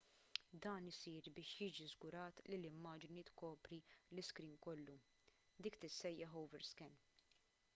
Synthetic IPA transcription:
d̪ɐːnɪsiːɾbɪːʃjiːd͡ʒizɡʊɾɐːt̪lilɪmːɐːd͡ʒnit̪kɔːpɾilɪskɾiːnkɔlːu | d̪iːkt̪ɪsːɛjːɐħɐwvɛɾskɛn

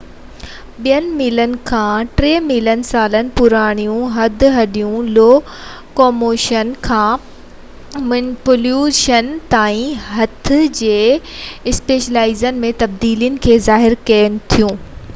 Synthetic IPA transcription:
ɓijənɪ̆miːlənɪ̆kʰãːʈɾeːmilənɪ̆saːlənɪ̆pʊɾaːɽ̃ijũɦɐd̪ʱɦɐɗijũloː | koːmoːʃənkʰãː | mɐnɪpʊljuːʃənt̪aːĩɦɐt̪ʰɪ̆d͡ʑeːɪspeːʃəlaːɪzənɪ̆mẽt̪ɐbd̪iːlijənɪ̆kʰeːzaːɦɪɾkɐːənɪ̆t̪ʰijũː

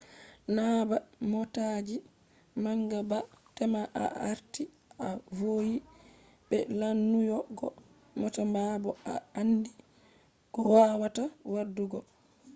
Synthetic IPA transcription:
nabamɔtad͡ʒi | maŋɡaba | tɛmaʔa̰ʔaɾti | avoji | bɛlanːujɔɡɔ | mɔtamabɔaandi | kɔwawatawaduɡɔ

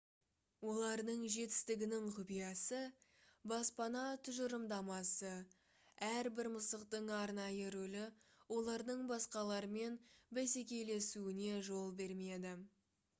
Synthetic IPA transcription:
wo̞lˠɑɾd̪əɴʒe̞t̪ɪ̥st̪ɪɡʲɪnɪɴqʰʊpijɑsəbɑspɑnɑt̪ʰʏʒəɾəmd̪ɑmɑsə | æɾbɪɾməsəqt̪əɴɑɾnɑjəɾɵlɪwo̞lˠɑɾd̪əɴbɑsqɑlˠɑɾəme̞nbese̞kʲe̞le̞suɪne̞ʒo̞lˠbe̞ɾme̞d̪ɪ

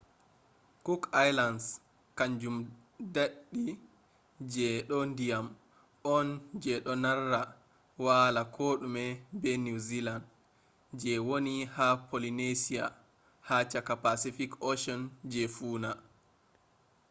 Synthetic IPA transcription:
kukajlans | kaɲd͡ʒum | daɗːi | d͡ʒɛɗɔndijam | ɔnd͡ʒɛɗɔnarːa | waːlakʰoɗumɛbɛnuziland | d͡ʒɛwonihapʰolinesia | hat͡ʃakapasifikɔʃɔnd͡ʒɛfuːna

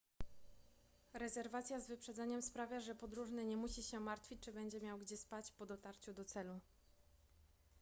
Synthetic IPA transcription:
ɾɛzɛɾvat̪sʲjazvɘpʂɛd̪zɛɲɛmspɾavʲjaʐɛpɔd̪ɾuʐnɘɲɛmuɕiɕɛmaɾt̪fʲit͡ɕt͡ʂɘbɛɲd͡ʑɛmʲjawɡd͡ʑɛspat͡ɕpɔd̪ɔt̪aɾt͡ɕud̪ɔt̪sɛlu

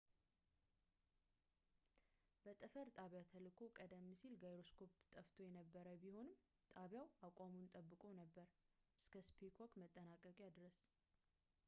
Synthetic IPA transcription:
b̥ət̪ʼɨfəɾt̪ʼaβjat̪ʰəlɨkʰo̞kʼəd̪əmːisilɡajɾo̞skʰo̞pt̪ʼəft̪ʰo̞jɛnəbːəɾəbiho̞nɨm | t̪ʼaβjawakʷʼamunt̪ʼəbːɨkʼo̞nəbːəɾʔɨskʰəspʰekʰwɔkʼmət̪ʼːənakʼəkʼjad̪ɾəs

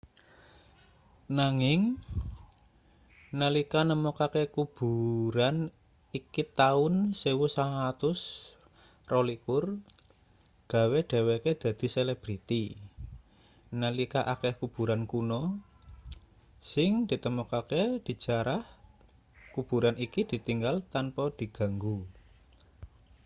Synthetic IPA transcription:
naŋɪŋ | nəlikanəmokakekub̥ṳɾan | ikit̪aʊnsewusaŋat̪ʊs | rɔlikʊr | ɡ̥a̤weɖ̥a̤weked̪̥ä̤d̪̥i̤selɛb̥ɾit̪i | nəlikaʔakɛhkub̥ṳɾankunɔ | sɪŋd̪̥i̤t̪əmɔkaked̪̥i̤̥d͡ʒ̥aɾah | kub̥ṳɾanikid̪̥i̤t̪iŋɡalt̪anpɔd̪̥i̤ɡ̥a̤ŋɡu

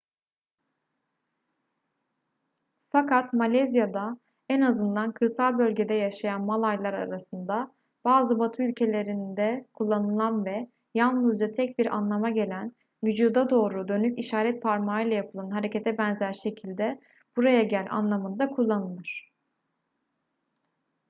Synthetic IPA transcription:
fakʰat̪malʲɛzijad̪a | ɛnazɯnd̪ankʰɯɾsalˠbø̞lʲɟe̞d̪ɛjaʃajanmalˠajlˠaɾa̰ɾasɯnd̪a | b̥aːzɯbat̪ʰɯylʲcʰe̞lʲe̞ɾind̪ɛkʰulˠːanɯlˠanvɛ | jalˠnɯzd͡ʒat̪ʰɛc̚biɾa̰nlˠamaɟe̞lʲæn | vyd͡ʒuːd̪ad̪o̞ːɾud̪ønyciʃaːɾɛt̪̚pʰaɾmaːɯjlˠajapʰɯlˠanɦaɾe̞ce̞t̪ʰɛbɛnzæɾʃe̞cʰilʲd̪ɛ | b̥uɾajaɟælʲa̰nlˠamɯnd̪akʰulˠːanɯlˠɯɾ̝̥

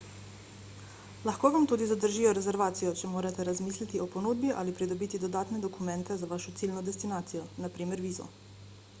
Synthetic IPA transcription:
laxkoːʋamt̪uːd̪izad̪əɾʒiːjɔɾɛzɛɾʋaːt̪sijɔt͡ʃɛmoːɾat̪ɛɾazmiːslit̪ioponuːd̪biʔa̰lipɾid̪ɔbiːt̪id̪od̪aːt̪nɛd̪ɔkumɛnt̪ɛzaʋaːʃɔt̪siːlnɔd̪ɛst̪inaːt̪sijɔnapɾiːmɛɾʋiːzɔ̰

